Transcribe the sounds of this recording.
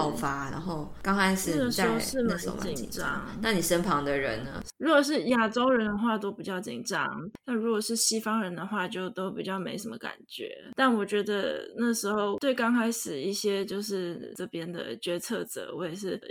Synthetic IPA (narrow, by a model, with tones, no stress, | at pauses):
ʊfa˧˥na̰˧˦nxo˥˩ʊ | kɑ˥ŋkʰa˥ɪʂ̩˥˧˥ə˩ʂ̩˥˧˥ʂɻ̩˥˩me˧˥jt͡ɕḭ˨˩n˨ʈ͡ʂɑ̰˦˥ŋna˥˨ni˨˩ʂə˥npʰɑ˧˥ŋd̪ə˧ɻə̰˧˦nə̰˧˦ɻu˧˥kwɔ˨˩ʂ̬ɻ̩˥˩ja˥˩ʈ͡ʂo˥ʊɻə˧˥nd̪ə˧xwa˥˩t̪o˥ʊpi˨˩t͡ɕjɑ˥˩ʊt͡ɕḭ˨˩nʈ͡ʂɑ̰˦˥ŋna˥˩nɻu˧˥kwɔ˨˩ʂɻ̩˥˩ɕi˥fɑ˥ŋɻə˧˥nd̪ə˧xwa˥˧t͡ɕjo˥˩ʊt̪o˥ʊpḭ˨˩t͡ɕjɑ˥˩ʊme˧˥ɪʂə˧˥mə̰˧˦ka̰˨˩nt͡ɕɥɛ̰˧˥˦t̪a˥˩nwɔ˨˩t͡ɕɥɛ˧˥d̪ə̰˧na˥˩ʂɻ̩˧˥xo˥˩ʊt̪we˥˩ɪkɑ˥ŋkʰa˥ɪʂɻ̩˨˩i˥˩ɕjɛ˥t͡ɕjo˥˧ʊʂɻ̩˥˩ʈ͡ʂɤ˥˩pjɛ˥nd̪ə̰˨t͡ɕɥɛ˧˥t͡sʰɤ˥˩t͡sɤ̰˨˩˦wɔ̰˧˥ɪɛ˨˩ʂɻ̩˥˩